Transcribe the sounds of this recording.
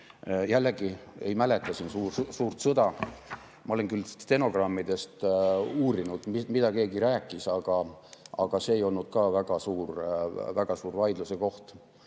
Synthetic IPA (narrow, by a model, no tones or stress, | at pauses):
jælːeɡie̞̰jmæle̞t̪ːˑɑsinsuːsuːrt̪sɤd̪̥ɑ | mʔɑolenkylt̪e̞no̞ɡ̥rɑmːid̪e̞st̪uːɾinud̪̥mimid̪̥ɑke̞ːɡiɾæːkːˑisɑɡ̥ɑɑɡ̥ɑse̞ːejo̞lnud̪̥kɑːvæɡ̥ɑsuːrvæɡ̥ɑsuːɾvɑjd̪luseko̞ht̪